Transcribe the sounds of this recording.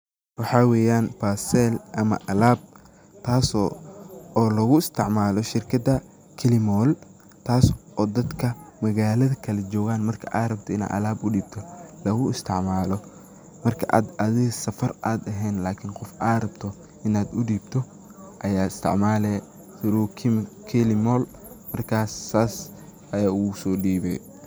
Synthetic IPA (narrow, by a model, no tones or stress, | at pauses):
wɑħɑːwɛːjaːnpaːsɛːlʔɐmɐ̰ʔɐlaːb̚ | t̪ʰaːsɔːɔːlɐɣʊɪst̪ʰɪ̰ʕmaːlɔʃɪrkʰɐd̪ɐ | kʰɪlɪmɔːl | t̪ʰaːsʔɔːd̪ɐd̪kʰɐmɐɣaːlɐðɐkʰɐlɛt͡ʃɔːɣaːnmɐrkʰɐʔaːrɐbt̪ʰɔɪna̰ːʔɐ̰laːbʊɖiːb̥̚t̪ʰɔlɐɣʊɪst̪ʰɪʕmaːlɔ | mɐrkʰɐʔa̰ːd̪ɐðɪɣɐsɐfɐraːd̪ɐɦɛːnlaːkʰɪnqɔfʔaːɾɐbt̪ʰɔ | ʔɪnaːd̪ʊɖiːbt̪ʰɔ | ʔɐjaːɪst̪ʰɪ̰ʕmaːlɛː | sʊɾukʰɪmkʰɪlɪmɔːl | mɐrkʰaːsːaːsʔɐjaːʊsɔːɖiːβɛ̰j